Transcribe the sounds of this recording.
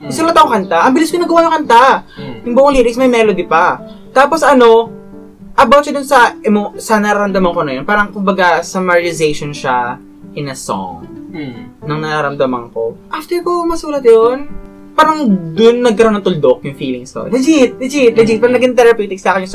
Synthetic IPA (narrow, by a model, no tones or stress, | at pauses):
mɪsuːlɐt̪ːɐkokɐnt̪aʔɐmbɪlɪskonɐɡɐwaj̪ʊŋkɐnt̪ajʊŋboʔoŋliːɾɪksmɐjmɛlod̪ɪpɐ | t̪aːposɐno̞ | ʔɐbawt̪̚ʃɐd̪ʊnsɐɛmosɐnɐɾaːɾɐmd̪ɐmɐŋkonɐjɐnpaːɾɐŋkʊmbɐɡasɐmɐɹɪzejʃonʃa | ʔɪnɐso̰ŋ | nɐŋnɐɾaɾɐmd̪ɐmɐ̰ŋko̞̰ʔaft̪ɛkomɐsuːlɐt̪̚jon | paːɾɐŋd̪ʊnːɐɡ̚kɐɾonɐŋt̪ʊld̪ok̚jʊŋfiːlɪŋst̪o̰nɐd͡ʒit̪̚d̪ɐd͡ʒit̪̚lɐd͡ʒɪt̚paɾɐnɐɡɪnt̪ɛɾɐpjut̪ɪksaːkɪnjʊŋs